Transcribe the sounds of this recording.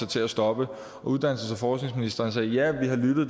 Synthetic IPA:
ɑt͡sʰe̝æsd̥ɒ̽b̥ə | ɒ̽uð̞ˠd̥æn̰l̩səsɑfɒːsne̝ŋsminisd̥ɐnsɛːjæʋiɦɑ̈lyd̥ð̩ˠ

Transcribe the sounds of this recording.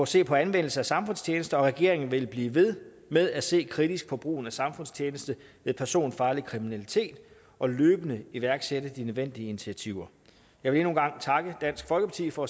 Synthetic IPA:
ɒ̽se̝̰ːpʰɒ̽ænʋen̰l̩səæsɑ̈mfɔ̽nst͡sʰjeːnəsd̥əɒ̽ʁɛɡ̥e̝ɐe̝ŋn̩ʋe̝lb̥liːʋe̝ð̞ˠ | með̞ˠæse̝̰ːkʰʁid̥isɡ̥̚pʰɒ̽b̥ʁṵːn̩æsɑ̈mfɔ̽n̰st͡ɕʰjeːnəsd̥əʋe̝ðˠpʰæɐso̝̰ːnfɑ̈ːlikʰʁiminælit͡sʰe̝̰ːd̥ | ɒ̽løːb̥ənəiʋæɐɡ̥seɾəd̥inøðˠʋen̰d̥iəinit͡sʰiæt͡sʰiʊ̰ɐ | jɑɪʋe̝le̝nu̝ːnɡ̥ɑ̈ŋ̰t͡sʰɑ̈ɡ̥əd̥æn̰sɡ̥fɒ̽lɡ̥əpʰɑ̈t͡sʰḭːfɒ̽

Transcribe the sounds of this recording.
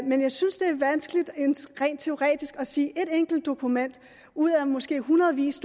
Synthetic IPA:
menjɑ̈ɪsynsd̥e̝æɐʋænsɡ̥lid̥enʁɛ̰nd̥̚t͡sʰe̝o̝ʁɛ̰ːd̥isɡ̥ɒ̽siːʔe̝ɾ̥eŋ̰ɡ̥l̩d̥ːo̝kʰumen̰d̥ | uð̰ˠæmɒ̽sɡ̥e̝̰ːɦunɐð̩ˠʋḭːsd̥

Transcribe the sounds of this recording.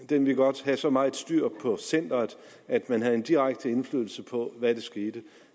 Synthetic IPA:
d̥enʋiɡ̥ɒ̽d̥hæsɒ̽mɑ̈ːð̩ˠsd̥yɐ̰pʰɒ̽sen̰d̥ɐð̩ˠ | æd̥mænɦæð̩ˠe̝nd̥iʁaɡ̥̚d̥əe̝nflyːðˠl̩səpʰɒ̽ʋæd̥e̝sɡ̥e̝ːd̥ə

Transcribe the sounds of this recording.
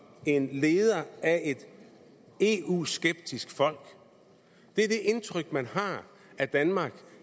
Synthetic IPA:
e̝nle̝ːð̞ˠɐæe̝d̥ | e̝ːṵːsɡ̥eb̥̚d̥isɡ̥fɒ̽l̰ɡ̥ | d̥e̝ɐd̥e̝ʔe̝nt͡sʰʁœɡ̥̚mænhɑ̈ | æd̥ænmɑ̈ːɡ̥

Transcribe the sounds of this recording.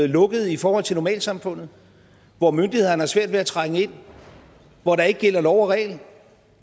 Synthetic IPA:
ð̩ˠlɔ̽ɡ̥əð̞̩ˠifɒːhɒ̽l̰t͡sʰe̝nɒmɛ̰ːlsɑ̈mfɔ̽n̰ð̩ˠ | ʋɒmønd̥ihe̝ðˠn̩hæɐsʋæɐd̥ʋe̝æt͡sʰʁɑ̈ŋəe̝n̰ | ʋɒɾɑ̈e̝ɡ̥əɡ̥el̰ɐdɒʊɐʁɛ̰ːln̩

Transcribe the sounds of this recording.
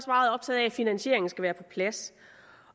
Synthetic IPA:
sʋɑ̈ːð̩ˠɒ̽b̥̚t͡sʰɛ̰ð̩ˠææfinænɕe̝̰ɐ̰e̝ŋn̩sɡ̥æʋæːɐpʰɒ̽pʰlæs

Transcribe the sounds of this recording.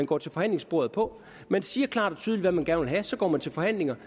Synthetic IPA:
ænɡ̥ɒ̰ːt͡sʰe̝lfɒ̽hæn̰le̝ŋsb̥o̝̰ɐð̞̩ˠpʰɒ̽ | mensiːɐkʰlɑ̰̈ːɾ̥ɒ̽t͡sʰyðˠli̥dʋæmænɡ̥æɐnəʋelɦæsɒ̽ɡ̥ɒ̰ːmænt͡sʰe̝lfɒ̽hæn̰le̝ŋɐ

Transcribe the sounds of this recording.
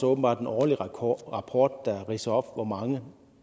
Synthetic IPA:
sɔːb̥n̩bɑ̈ːd̥enʔɒːliʁɑpʰoːd̥d̥æʁisɒfʋɒmɑ̈ŋə

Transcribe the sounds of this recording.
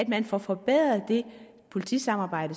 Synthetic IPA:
æd̥mænfɒfɒ̽b̥eð̰ˠɐd̥e̝ | pʰo̝lit͡sʰḭsɑ̈mɑ̈ːb̥ɑ̈ɪ̰d̥ə

